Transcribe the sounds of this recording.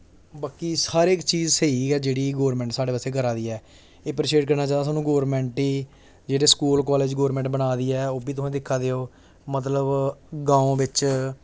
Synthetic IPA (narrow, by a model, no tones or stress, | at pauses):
baːkiːsaːɾeːkt͡ʃiːzseiːɛːd͡ʒeːɽiːɡoːɾmɛ̃ːɳʈsaːɽeːʋəːseːk̬əɾaːd̪iːɛː | eːpəɾʃeːɖkəɾnaːt͡ʃãːd̪asaːnũːɡoːɾmɛ̃ːɳʈiː | d͡ʒeːɽeːskuːlkɔːleːd͡ʒɡoːɾmɛ̃ɳʈbənaːd̪iːɛːoːbiːt̪ʊsẽːd̪ɪkʰːaːd̪eːoː | mət̪̬ləbɡãːõːʋɪt͡ʃ